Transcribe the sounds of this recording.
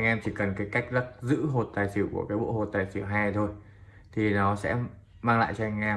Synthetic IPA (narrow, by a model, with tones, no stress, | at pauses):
jŋʔɛ˧mt̪ʰi˨˩kə˨˩nkaː˨˦jka˦˥k̟̚zə˦˥k̚zɨ̰˧˥ɦo˨˩t̚t̪aː˨˩jsi˧˩wku˧˩əkaː˨˦jɓo̰˧˥ho˨˩t̚t̪aː˨˩jsi˧˩ɦaː˧jt̪ʰo˧j | t̪ʰi˨˩nɔ˨˦sɛ̰˧˥ | maː˧ŋla̰ː˧˨jt͡ɕɔ˧ha˧ŋ̟ʔɛ˧